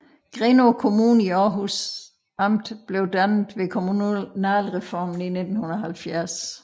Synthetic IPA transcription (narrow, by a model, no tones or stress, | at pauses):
ɡ̥ʁenokʰo̝muːniɒːɦus | ɑ̈m̰d̥b̥le̝ʊd̥ænð̩ˠʋe̝kʰo̝munæːlʁɛfɒːmn̩ine̝d̥n̩hunɐɐɦælfjæɐs